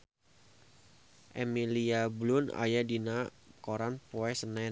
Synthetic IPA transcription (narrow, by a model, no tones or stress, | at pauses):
ʔemiliablʊna̰jadinakoɾanpɔɛsənɛ